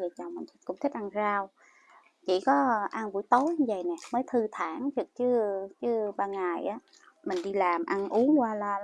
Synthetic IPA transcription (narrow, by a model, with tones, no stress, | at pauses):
əː˨˩t͡ɕa˨˩wma̰˨˩t̪ʰi˦˥kʊ̰˧˥ŋ͡mt̪ʰi˦˥k̟̚ʔa˧nzaː˧w | t͡ɕḭ˧˩kɔ˨˦ʔa˧nvṵ˧˩əjt̪o˨˦jɲɨ˧və̰˧˨jnɛ˨˩məː˨˦jt̪ʰɨ˧t̪ʰaː˧˩ŋt͡ɕɨ˨˩k̚t͡ɕɨ˨˦t͡ɕɨ˨˦ɓaː˧ŋa˨˩jʔaː˨˦ | mï˨˩ŋ̟ɗi˧laː˨˩mʔa˧nʔu˨˦əŋkwaː˧laː˧